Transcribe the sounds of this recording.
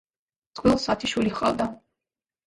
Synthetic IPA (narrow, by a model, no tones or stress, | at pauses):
t̪sʼqʼwilˠsat̪ʰiʃwiliχʼa̰vd̪a